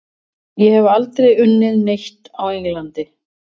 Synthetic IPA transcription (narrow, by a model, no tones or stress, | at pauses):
jɛhɛvalt̪ɾejʏnːɪðnejht̪awejŋlant̪ɪ